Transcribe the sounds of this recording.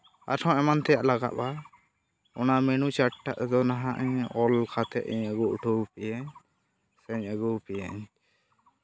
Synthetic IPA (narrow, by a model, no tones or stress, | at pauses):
a̰ɾʰɔ̃ɛmant̪ɛjaʔlaɡa̰ʔba | ɔ̰namɛnut͡ʃaʈʈːaʔd̪ɔnaɦãʔɲɔlkʰat̪ɛ̰ʔiɲəɡuʔuʈʰɔpɛjaɲ | sɛɲəɡupɛja̰ɲ